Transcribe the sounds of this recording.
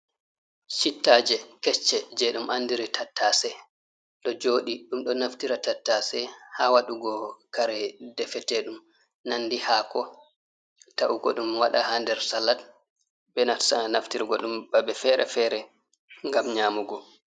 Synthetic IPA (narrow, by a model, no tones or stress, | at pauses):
t͡ʃitːad͡ʒɛkɛt͡ʃːɛd͡ʒɛɗumʔandiɾitʰatːasɛ | ɗɔd͡ʒoːɗiɗumɗɔnaftiɾatatːasɛhaːwaɗuɡɔkaɾɛdɛfɛtɛɗum | nanːdihaːkɔ | taʔuɡɔ̰ɗumwaɗahandɛɾsalat | bɛnatsanaftiɾɡɔɗumbaɓɛfɛɾɛ̰fɛɾɛ | ŋɡamɲaːmuɡɔ